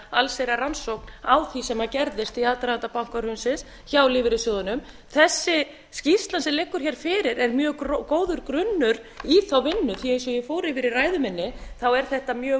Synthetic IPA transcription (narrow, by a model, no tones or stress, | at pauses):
alsejɾaransowknawθisɛmacɛɾðɪst̪iaːt̪ɾat̪apawŋ̥kaɾhʏnsɪs | çawlɪvɪɾɪsjɔːðʏnʏm | θɛsːɪ | scist̪lansɛlɪkːʏɾ̥çɛːɾ̥fɪːɾɪɾɛɾmjœːɾkoːwðʏɾkɾʏnːʏɾ | iθawvɪnːʏθiejnsɔjɛfoːwɾɪfɪɾɪraːjðʏmɪnːɪθawɛɾ̥θɛht̪amjœː